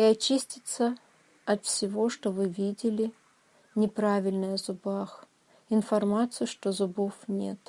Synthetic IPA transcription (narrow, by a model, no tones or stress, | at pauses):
iɐt͡ɕisʲtʲɪt̪sə | ɐt̪fsʲɪvo̞ʂt̪ovɨvʲidʲɪlʲɪ | nʲɪpɾavʲɪlʲnəjəzʊbax | ɪnfɐrmat̪sɨjʊʂt̪ozʊbofnʲḛt̪